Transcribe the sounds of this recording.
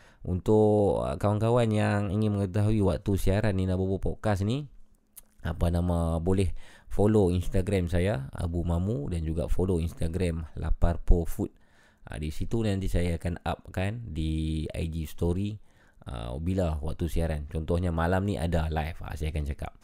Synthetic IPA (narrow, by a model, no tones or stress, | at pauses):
ṵnt̪ʊʔə̰kawankawanjaŋiŋɪnməŋət̪aɦuiwak̚t̪usiaɾanːinabupopɔkasni | apanamabolɛhfoloinst̪aɡɾamsajaa̰bumamudand͡ʒuɡa̰foloinst̪aɡɾɛmla̰parpofut̪̚ | ʔa̰disit̪unnãnt̪isajaːkana̰p̚kandia̰idist̪oɾi | ə̰bilawak̚t̪usiaɾant͡ʃɔnt̪ɔhɲamalamniʔa̰dalajfa̰sajakant͡ʃaka̰p̚